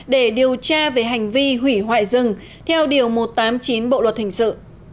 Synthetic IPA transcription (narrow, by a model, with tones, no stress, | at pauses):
ɗe˧˩ɗi˨˩əwt͡ɕaː˧ve˨˩ɦa˨˩jŋ̟vi˧ɦwi˧˩ɦwa̰ː˧˨jzɨ˨˩ŋ | t̪ʰɛ˧wɗi˨˩əwmo˨˩t̚t̪aː˨˦mt͡ɕi˨˦nɓo̰˧˨lwə˨˩t̚hï˧˩ŋ̟sɨ̰˧˨